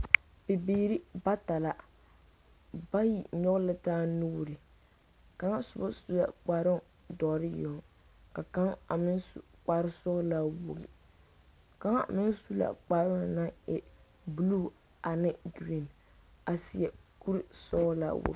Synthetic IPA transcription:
bɪ˨biː˦ɾi˦ba˦ta˨la˨ | ba˦ji˨ɲɔ˦ɣlɪ˦taː˦nu˦˨ɾɪ˨ | ka˦ŋa˦sʊ˨ba˦su˦la̰˨k͡paː˨ɾɪ˦ŋ | dɔ˨ʔɾɪ˦jɔ˨ŋ | ka˨ka˦ŋa˨mɪ˦nsṵ˨k͡pa˦ɾɪ˦sɔ˦la˦wʊ̰˨ɡɪ̰˨ | ka˦ŋ̰˦˨mɪ˦nsu˦la̰˨k͡paː˨˦ɾʊ˦ŋna˦ŋɛ˨ | bu˨lu˦˨ | a˨nɪ˦ɡɾi˦˨n | a˨si˦ɛ˨ku˦ɾsɔ˦la̰˦wʊ̰˨˦

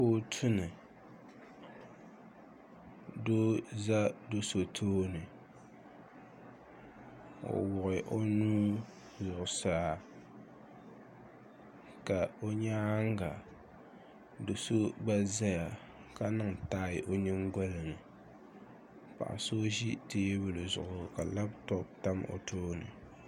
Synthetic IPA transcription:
poː˦tʰʊ˦nɨ˨ | do˦za˦do˦so˨tʰoː˦nɨ˨ | o̰˨wʊ˨ɣɪ˨ʔo˦nuː˦ | zʊ˨ʔʊ˨saː˦ | ka˨o˦ɲaː˦ŋ˦ɡa˨ | do˨so˦ɡ͡ba˦za˦ja˨ | ka˦nɨ˦ŋ˨taː˦ɪ˨ʔo˦ɲɪ˦ŋɡa˦lɨ˨ŋɨ˨ | pa̰˨ʔa̰˨so˦ʒi˦teː˦bɨ˦lɨ˨zʊ̰˨ʔʊ˨ka˨la˦btɔ˦bta˦mo̰˨tʰoː˦nɨ̰˨

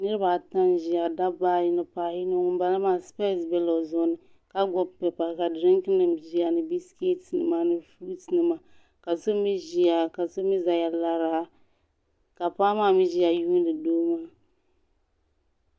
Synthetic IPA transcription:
nɨ˦ɾɨ˦ba˨ta˦nʒi˨ja˨da˦baː˦ji˦nɨ˨paː˨ji˦no˦ŋʊ˦m˦ba˦la˦maː˦spe˦˨˦sbɛ˦lo˨zʊ˨˦nɨ˨ | ka˦ɡɔ˨bpɛ˨pa˨ka˨dɾɪ˦ŋkɨ˦nɨ˨mʒi˦a˨nɨ˨bi˦ske˦tnɨ̰˨maː˦nɨ˨fu˦tnɨ˨ma˨ | ka˨so˦mi˦ʒi˦a˨ka˨so˦mi˦za˨ja˨la˦ɾa˨a˦ | ka˨paː˦maː˦˨mi˦ʒi˦ja˨juː˦n˦dɨ˨doː˦maː˦

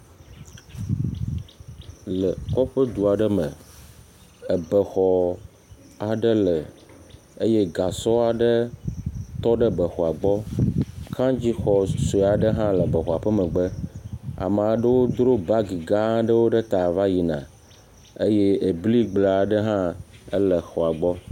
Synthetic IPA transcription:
lə˨kɔ˦ɸə˦d̪u˨a˨ɖə˦mə̰̃˨ | ə˨bə˨xɔ˨ | a˨ɖə˦lə˨ | e˦je˦ɡa˨sɔ˦a˨ɖə˦ | t̪ɔ˦ɖə˦bə˨xɔ˨a˨ɡ͡bɔ˦kʰã˦d͡ʑi˦xɔ˨so˨a˨ɖə˦ɦã˦lə˨bə˨xɔ˨a˨ɸə˦mə̃˨ɡ͡bə˦a̰˨m˨a˨ɖə˦wo˦d̪ɾo˦ba˦ɡi˨ɡã˦ɖə˦wo˦ɖə˦t̪a˨va˦ji˨nã̰˨ | e˦je˦e˨bli˦ɡ͡ble˨a˨ɖə˦ɦã˦ə˦lə˨xɔ˨a˨ɡ͡bɔ˦

